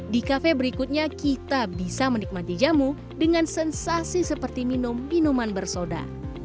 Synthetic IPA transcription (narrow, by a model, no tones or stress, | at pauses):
dikafɛbəɾikut̪̚ɲakit̪abisamənik̚mat̪id͡ʒamu | dəŋansɛnsasisəpərt̪iminʊmːinumanbərsoda̰